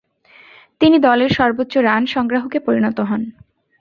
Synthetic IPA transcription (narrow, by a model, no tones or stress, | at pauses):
t̪inid̪ɔleɾʃɔɾbot̪ːɕoɾanʃɔŋɡɾaɦokepoɾinɔt̪oɦɔn